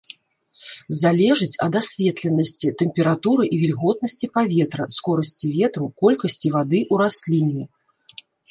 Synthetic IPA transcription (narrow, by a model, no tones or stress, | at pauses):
zalʲɛʐɨt͡sʲɐ̰d̪asʲvʲɛt̪lʲɛnːɐsʲt͡sʲit̪ɛmpʲɛɾat̪uɾɨʔivʲilʲɣɔt̪̚nɐsʲt͡sʲipavʲɛt̪ɾɐskɔɾɐsʲt͡sʲivʲɛt̪ɾukɔlʲkɐsʲt͡sʲivad̪ɨʔuɾasʲlʲinʲi